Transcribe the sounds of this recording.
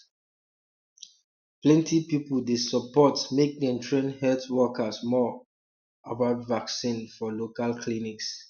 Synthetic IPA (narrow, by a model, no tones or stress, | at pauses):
plɛ̃ntʰipipəldesəpɔtmek̚dɛ̃ntʰɹẽnhɛltwɔkasmɔ | abatvaksĩnfɔlokalkʰliniks